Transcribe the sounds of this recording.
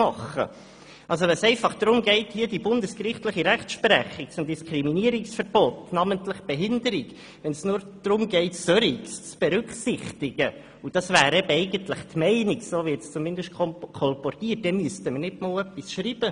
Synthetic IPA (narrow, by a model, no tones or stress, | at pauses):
ɑχə̰ | ʔɑls̬oʋɛnsɛɪfɑχd̪̥ɾʊmɡɛɪthiədibʊndəskrɪχtləχiɾæχtʃpɾɛχiksʊmd̥iskɾiminiːəɾɪksfəɾb̥otnɑməntləχb̥eɦɪndəɾɪɡ | ʋɛnsnʊːɾ | d̥ɾʊmɡɛɪtsœɾikst͡sb̥ɛɾʉkχsɪχtɪɡə | ud̥ɑsvæːɾɛbəɛɪɡəntləχtmɛɪnɪksoːʋit͡st͡sumɪndəʃtkkʰɔlpɔrtiːət̚d̥ɛmyəstəməɾnɪtmɑːlœpːisʃɾiːb̥ə